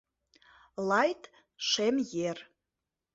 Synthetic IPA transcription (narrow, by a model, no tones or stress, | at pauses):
lɑjt̪ | ʃemjer